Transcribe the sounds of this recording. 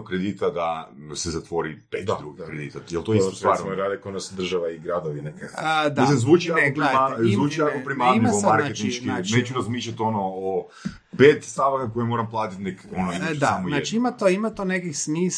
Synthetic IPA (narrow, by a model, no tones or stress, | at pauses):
okɾed̪it̪ad̪asezat̪ʋo̞ɾiped̪aɾuɡkɾed̪ḭt̪ajelˠt̪oist̪ust̪ʋaːɾoɾaːd̪ekod̪nasd̪r̩ʒaʋaiɡɾad̪oʋinekd̪aislimzʋuːt͡ʃiakopɾaazʋuːt͡ʃiakopɾimaimamaɾkaet͡ʃ̪iiʃkianet͡ʃuɾazmiʃʎat̪o̞noː | peːt̪st̪aʋakakojemo̞ːɾamplˠaːt̪it̪nekonoedd̪saamojnat͡ʃiiimat̪oimat̪onekixsmiːs